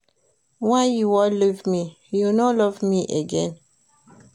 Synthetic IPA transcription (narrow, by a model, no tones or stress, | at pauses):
wajuwɔlivmi | junɔlɔvmiʔeɡɛ̃n